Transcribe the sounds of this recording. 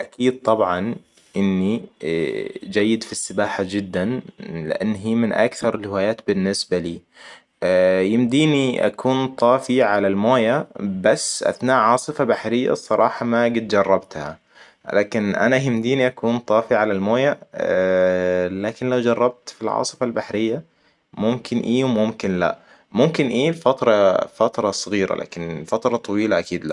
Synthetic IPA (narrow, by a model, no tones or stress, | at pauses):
ʔakʰiːd̪̚t̪ˤɑbʕɑn | ʔɪnːi | d͡ʒajːɪd̪fisːɪbaːħad͡ʒɪd̪ːanlɪ̰ʔanːɦiːmɪnʔa̰kθɑɾˤɪlhɪwaːjaːt̪bɪnːɪsbaliː | jɪmd̪iːniʔa̰kʰuːnt̪ˤɑːfiʕalalmoːjabasːʔa̰θnaːʔʕɑːsˤɨfabaħɾɪjːa̰sˤɑɾˤɑ̰ːħɑmaɡɪt̪̚d͡ʒɑrˤːɑbt̪ha̰ | laːkɪnʔa̰najɪmd̪iːniʔakuːnt̪ˤɑːfiʕalalmoːja | laːkɪnlawd͡ʒɑrˤːɑb̚t̪filʕɑ̰ːsˤɨ̥falbaħɾɪjːa | mʊmkʰɪnʔiːwmʊmkɪnla̰ | mʊmkɪnʔiːlfat̪ɾˤɑfat̪ɾˤɑsˤɨɣiːɾa̰la̰ːkɪnɪlfat̪ɾˤɑt̪ˤɑwiːlaʔakiːd̪la̰